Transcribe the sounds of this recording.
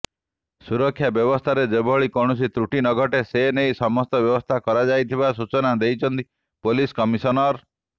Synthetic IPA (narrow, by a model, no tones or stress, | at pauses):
suɾɔkʰːjabjɔbɔst̪ʰaɾed͡ʒebʱɔɭikɔɽ̃us̬it̪ɾuʈinɔɡʱɔʈesenejsɔmɔst̪ɔbjɔbɔst̪ʰakɔɾad͡ʒajt̪ʰibas̬ut͡ʃɔnad̪ejt͡ʃʰɔnt̪i | poliskɔmisɔnɔɾ